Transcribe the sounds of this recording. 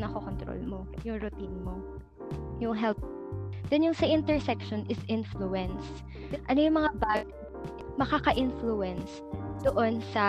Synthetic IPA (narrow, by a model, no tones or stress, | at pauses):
nɐkokont̪ɾo̰lmojʊŋɾʊt̪inmo | jʊŋɦɛlp̚ | d̪̥ɛnjʊŋsɐʔɪnt̪ɛɹsɛkʃonʔɪsʔɪnfluɛns | ʔɐnojʊŋmɐŋabaːɡ | mɐkakɐʔɪnfluɛns | d̪̥oʔo̞nsɐ